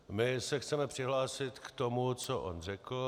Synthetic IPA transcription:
mɪsɛxt͡sɛmɛpr̝̥ɪɦlaːsɪt̪kt̪omut͡soʔo̰nrɛkl̩

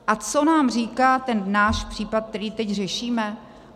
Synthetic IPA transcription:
ʔat͡sonaːmr̝iːkaːt̪ɛnnaːʃpr̥iːpat̪̚k̚t̪ɛɾiːt̪ɛcrɛʃiːmɛ

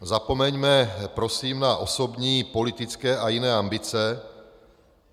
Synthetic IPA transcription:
zapomɛɲmɛpɾosiːmnaʔosobɲiːpolit̪ɪt͡skɛːʔajinɛːambɪt͡sɛ

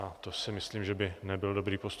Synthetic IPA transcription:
at̪osɪmɪsliːmʒɛbɪnɛbɪldo̞bɾiːpost̪

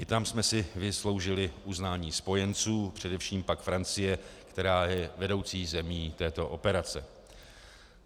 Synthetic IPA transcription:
ʔɪt̪amsmɛsɪvɪslo̞wʒɪlɪʔuznaːɲiːspo̞jɛnt͡suːpr̝̥ɛdɛfʃiːmpakfɾant͡sɪjɛkt̪ɛɾaːjɛvɛdo̞wt͡siːzɛmiːt̪ɛːt̪o̞ʔo̞pɛɾat͡sɛ

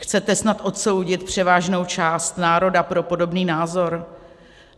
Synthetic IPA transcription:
xt͡sɛt̪ɛsnat̪ʔo̞t̪so̞wɟɪt̪̚pr̝̥ɛvaːʒno̞wt͡ʃaːst̪naːɾo̞dapɾo̞po̞do̞bniːnaːzo̞ɾ

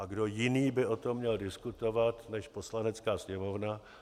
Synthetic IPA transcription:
ʔaɡdo̞jɪniːbɪʔo̞t̪o̞mːɲɛldɪskut̪o̞vat̪nɛʃpo̞slanɛt͡skaːsɲɛmo̞vna

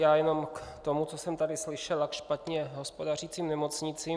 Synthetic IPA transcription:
jaːjɛno̞mkt̪omut͡sosɛmt̪adɪslɪʃɛlakʃpat̪ɲɛɦo̞spodar̝iːt͡siːmnɛmo̞t͡sɲɪt͡siː

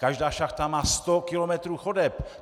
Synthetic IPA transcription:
kaʒdaːʃaxt̪amaːst̪okɪlomɛt̪ɾuːxodɛp

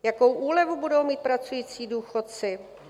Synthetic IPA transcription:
jako̞wʔuːlɛvubudo̞wmiːt̪̚pɾat͡sujiːt͡siːduːxot̪̚t͡sɪ

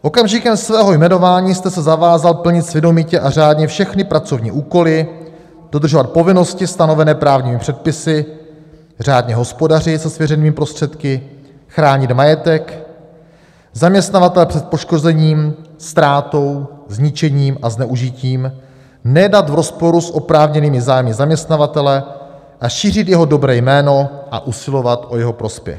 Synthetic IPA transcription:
ʔo̞kamʒɪkɛmsvɛːɦo̞jmɛno̞vaːɲiːst̪ɛsɛzavaːzalpl̩ɲɪt̪svɛdomicɛʔar̝aːdɲɛfʃɛxnɪpɾat͡so̞vɲḭːʔuːko̞lɪ | d̥o̞d̪r̩ʒovat̪̚po̞vɪno̞scɪst̪ano̞vɛnɛːpɾaːvɲiːmɪpr̝̥ɛt̪̚pɪsɪ | r̝aːdɲɛɦo̞spo̞darɪsɛsvjɛɾɛniːmɪpɾo̞st̪r̝̥ɛt̪kɪ | xɾaːɲɪt̪majɛt̪ɛk | zamɲɛst̪navat̪ɛlɛpr̥ɛt̪̚po̞ʃko̞zɛɲiːmst̪ɾaːt̪o̞wzɲɪt͡ʃɛɲiːmaznɛʔuʒɪciːm | nɛdat̪vɾo̞spo̞ɾusʔo̞pɾaːvɲɛniːmɪzaːjmɪzamɲɛst̪navat̪ɛlɛ | ʔaʃiːr̝ɪt̪jɛɦo̞do̞bɾɛːjmɛːno̞ʔa̰ʔusɪlo̞vat̪ʔo̞jɛɦo̞pɾo̞spjɛ̰x

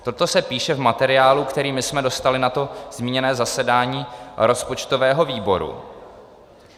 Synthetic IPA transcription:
t̪o̞t̪o̞sɛpiːʃɛvmat̪ɛɾɪaːlukt̪ɛɾiːmɪsmɛdo̞st̪alɪnat̪o̞z̥miːɲɛnɛːzasɛdaːɲiːɾo̞spo̞t͡ʃt̪o̞vɛːɦo̞viːbo̞ɾṵ

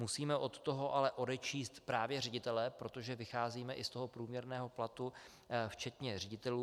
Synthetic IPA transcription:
musiːmɛʔo̞t̪t̪o̞ɦo̞ʔalɛʔo̞dɛt͡ʃiːst̪pɾaːvjɛrɛɟɪt̪ɛlɛpɾo̞t̪o̞ʒɛvɪxaːziːmɛʔɪst̪o̞ɦo̞pɾuːmɲɛɾnɛːɦo̞plat̪u | ft͡ʃɛt̪ɲɛrɛɟɪt̪ɛluː

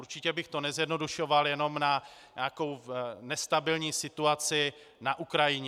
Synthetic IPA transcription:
uɾt͡ʃɪcɛbɪxt̪o̞nɛzjɛdno̞duʃo̞valjɛno̞mna | ɲaːko̞wnɛst̪abɪlɲiːsɪt̪uat͡sɪ | naʔukɾajɪɲɛ

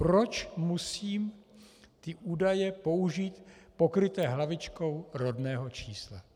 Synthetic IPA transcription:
pɾot͡ʃmusiːm | t̪ɪʔuːdajɛpo̞uʒiːt̪pokɾɪt̪ɛːɦlavɪt͡ʃko̞wɾodnɛːɦo̞t͡ʃiːsla̰

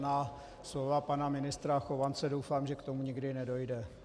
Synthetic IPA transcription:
naː | slovapanamɪnɪst̪ɾaxo̞vant͡sɛdo̞wfaːmʒɛkt̪omuɲɪɡdɪnɛdo̞jdɛ

